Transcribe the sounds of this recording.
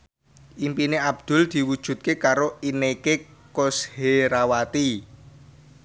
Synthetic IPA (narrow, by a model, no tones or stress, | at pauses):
ʔimpineab̚d̪̥ʊ̤ld̪̥i̤wud̥ʒ̥ṳt̪̚kekaɾoinekekosheɾawat̪i